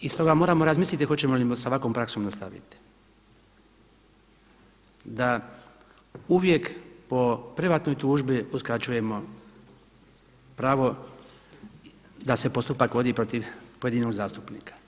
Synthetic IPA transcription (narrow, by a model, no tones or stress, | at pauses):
ist̪o̞ɡamo̞ːɾaːmo̞ɾazmiːslʲit̪ixo̞t͡ɕemolisaʋako̞ːmpɾakso̞mnast̪aʋḭt̪i̥ | d̪a | uʋje̞kpo̞pɾeʋaːt̪no̞jt̪uːʒbiuskɾat͡ɕuje̞mo̞ | pɾaːʋo̞ | d̪ase̞po̞st̪upakʋo̞d̪iːpɾo̞t̪iʋpoje̞d̪ino̞ɡzaːst̪upnḭːkḁ